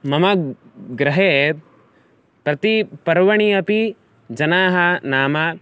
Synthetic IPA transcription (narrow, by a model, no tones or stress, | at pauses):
mɐmɐɡɾɐɦeː | pɾɐt̪ipɐɾʋɐɳ̃iɐpi | d͡ʒɐnaːɦɐnaːma